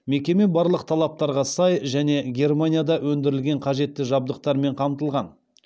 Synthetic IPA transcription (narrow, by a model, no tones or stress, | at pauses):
me̞kʲe̞me̞bɑɾlˠəq̚t̪ʰɑlˠɑp̚t̪ɑɾʁɑsɑjʒæne̞ɡʲe̞rmanʲijad̪ɑwɵnd̪ɪɾɪlɡʲe̞ɴqʰɑʒe̞t̪ːɪʒɑb̚d̪əq̚t̪ɑɾme̞ɴqʰɑmt̪əlˠʁɑn